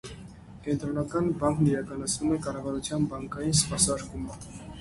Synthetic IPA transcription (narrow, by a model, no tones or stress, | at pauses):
kɛnt̪ɾɔnɑkɑnbɑŋkniɾɑkɑnɑt͡sʰnumɛkɑrɑvɑɾut͡sʰjɑnbɑŋkɑjinspɑsɑɾkumə